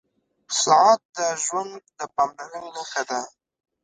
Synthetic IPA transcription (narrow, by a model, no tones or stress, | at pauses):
sɑʕɑt̪̚d̪əʒwand̪d̪əpɑmlanəjnaxad̪a